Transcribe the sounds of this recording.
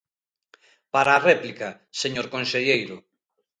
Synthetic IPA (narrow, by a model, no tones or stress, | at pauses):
paɾaːrɛplikɐ | seɲoɾkonseʎejɾʊ